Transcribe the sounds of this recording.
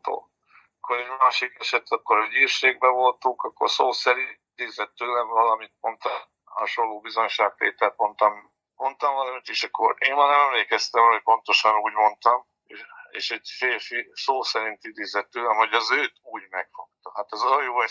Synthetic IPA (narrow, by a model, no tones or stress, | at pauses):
t̪o̰ː | kːoɾɛɟmaːʃikɛʃɛt̪ʰɒkːoɾɛɟiːrʃeːɡ̚bɛvo̞lt̪uŋkɒkːo̞̰rsoːsɛɾiid̪eːzɛt̪ːøːlɛɱvɒlɒmit̪̚mo̞nt̪ɒ | hɒʃonlːoːbizo̞ɲʃaːkt̪ḛːt̪ɛt̪mo̞nt̪ɒm | mo̞nt̪ɒmvɒlɒmit̪iʃɒkːo̞̰ɾeːnaːɾnɛmɛmleːkɛst̪ɛmocpo̞nt̪o̞ʃɒnuːɟmo̞nt̪ɒm | ḛːʃɛɟfeːlfisoːsɛɾint̪id̪eːzɛt̪ːøːlɛmho̞ɟɒzøːt̪uːɟmɛkfo̞k̚t̪ɒhat̪ɛzojoːɛ